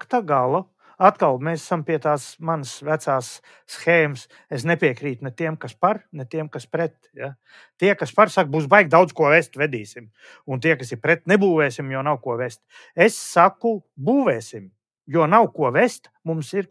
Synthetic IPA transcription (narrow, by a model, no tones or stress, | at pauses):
kt̪aɡalˠu | at̪kalˠmeːsasampiɛt̪aːsmansvæt̪saːsː | xɛːms | es̬nɛpʲiɛkɾiːt̪nɛt̪iɛmkaspaɾnɛt̪iɛmkaspɾɛt̪ja | t̪iɛkaspaɾsak̚buːsbajk̚d̪awd̪zkuɔvɛst̪vɛd̪iːsʲim | unt̪iɛkasiɾpɾɛt̪nɛbuːvɛːsʲimjuɔnawkuɔʋest̪ | esːakubuːvɛːsʲim | juɔnawkuɔʋest̪ | mumsiɾ